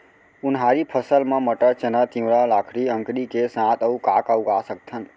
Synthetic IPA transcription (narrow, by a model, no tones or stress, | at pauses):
ʊnɦaɾipʰəsəlmãməʈəɾt͡ʃənət̪ĩũɾalakʰɾiə̃ŋkɾikesãt̪əukakəuɡasək̚t̪ʰən